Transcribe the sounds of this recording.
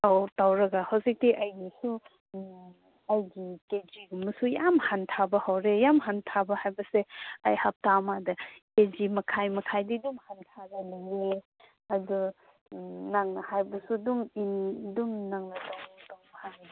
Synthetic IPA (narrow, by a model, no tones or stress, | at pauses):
tawtawɾɐɡahawzik̚tiʔɐjnisu | ɐjɡiked͡ʒiɡumɐsujamhantʰabɐhawɾejamhantʰabɐhajbɐseajhap̚tamadɐked͡ʒimɐkʰajmɐkʰajdidumhantʰaɡɐlejɾe | ɐdɔ | naŋnɐhajbɐsuduŋindumnaŋnɐtawtaŋbhan